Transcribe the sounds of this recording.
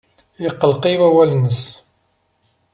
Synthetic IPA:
jiqːəlqiwæwælnəs

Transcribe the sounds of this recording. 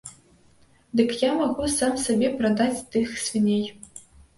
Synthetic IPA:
d̪ɨkjamaɣusamsɐbʲeprɐd̪at͡sʲt̪ɨxsfʲinʲej

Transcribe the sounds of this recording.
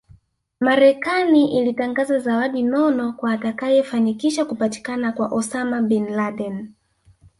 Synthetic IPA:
maɾɛkaniʔilitaŋɡazazawaɗinɔnɔkwaːtakajɛfanikiʃakupati̥kanakwaʔɔsamaɓɛnlaɗɛn

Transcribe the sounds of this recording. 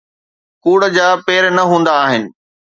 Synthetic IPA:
kuːɽəd͡ʑaːpeːɾnɐɦũːn̆d̪aːɦɪnɪ̆

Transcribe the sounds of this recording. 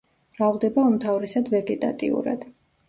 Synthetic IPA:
ɾavʁˠd̪ɛbaɔmt̪ʰavɾisad̪vɛɡɛt̪ʼa̰t̪ʼḭṵɾa̰d̪̥

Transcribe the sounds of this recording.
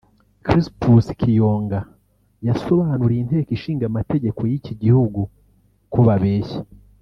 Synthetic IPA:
kɾistuskʰijo̞ːŋɡa | jaso̞βaːnuɾeinte̞ːkiʃiːŋɡamate̞ɟe̞ko̞jiciɟihuɡu | koβaβeːçe̥

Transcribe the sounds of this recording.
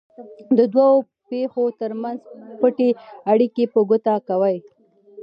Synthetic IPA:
d̪əd̪wawo | pexot̪əɾmanzpəʈeaɽikepəɡʊt̪akawəj

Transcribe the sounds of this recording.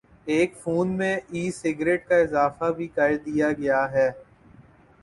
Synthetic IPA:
eːkfuːnmẽiːsɪɡɾeːʈ̚kaɪzaːfabʱikɐɾd̪ijaɡɐjaɦɛː

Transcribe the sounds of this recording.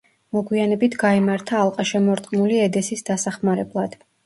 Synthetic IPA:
mɔɡwianɛbit̪ʰɡaimaɾt̪ʰaːlˠqʼaʃɛmɔɾt̪ʼqʼmuliɛd̪ɛsisd̪asaχmaɾɛblˠad̪̥

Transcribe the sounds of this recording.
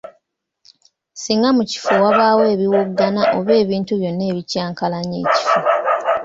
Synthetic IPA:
siŋɡamuci̥fuwaβaːwe̞ːβiwuɡːanaʔoβe̞ːβiːntuβjo̞nːe̞ːβicaːŋkalaɲe̞̰ːci̥fu

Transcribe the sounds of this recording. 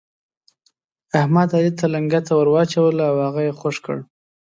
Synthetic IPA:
ahmad̪alit̪ʰalaŋɡat̪awəɾwɑt͡ʃawəlawhaɣajexoʂkə̰ɽ

